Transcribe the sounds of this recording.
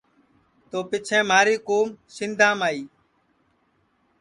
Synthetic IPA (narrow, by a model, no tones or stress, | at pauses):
t̪oːpɪt͡ʃʰẽːmaːɾiːkoːmsɪnd̪ʱãːmaːiː